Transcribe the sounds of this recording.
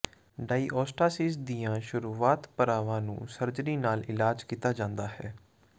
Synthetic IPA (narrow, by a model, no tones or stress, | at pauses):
ɖaːiːʔɔːsʈaːsiːsd̪iːãːʃʊɾuːaːt̪pəɾaːʋãːnṵ̃ːsəɾd͡ʒɾiːnaːlɪlaːd͡ʒkiːt̪aːd͡ʒãːnd̪aːhɛː